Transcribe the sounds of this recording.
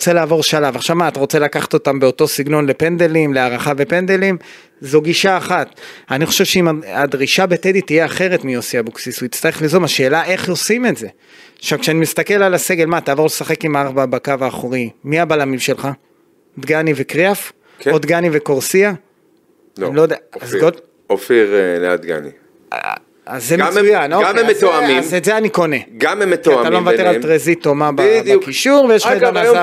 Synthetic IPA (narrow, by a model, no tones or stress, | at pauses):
t͡selaːvo̞ʁʃalavaχʃavmaːt̪aʁo̞t͡se̞lakaχḁt̪o̞tambeo̞to̞siɡno̞nle̞pe̞nd̪elimleaʁaχavepe̞nd̪elim | zoɡiʃaːχat̪aniχo̞ʃevʃeimaadʁiʃabeted̪it̪ije̞aχe̞ʁe̞tmiosiabuksisuitt͡st̪aʁeχlizomaʃeːlaʔe̞χo̞simetze̞ | ʃavkʃeanimist̪akelalase̞ɡe̞lmat̪aːvo̞ʁlesaχe̞kimaʁbabakavaːχoʁimiabalamimʃe̞lχa | od̪ɡanivekʁeaf | kod̪ɡaniveko̞ʁsia | nnilojd̪eazɡo | ofiʁelea̰d̪ɡa̰nḭ | azːemeujanoaemːet̪oamimzetzeaniko̞ne̞ɡamemet̪oaaalomevateʁaltʁezit̪o̞mabdkiʃuʁvejeʃlaanaa